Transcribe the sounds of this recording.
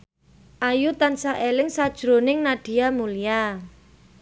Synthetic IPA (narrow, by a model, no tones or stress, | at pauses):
ʔajut̪ansaʔelɪŋsad̥ʒ̥ɾonɪŋnaɖ̥i̤jamulija